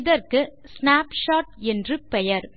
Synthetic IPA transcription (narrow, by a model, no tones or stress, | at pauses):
ðɐɾkɯ | snaːpʂaːʈ̚ɛndrɯpɛjɐɾ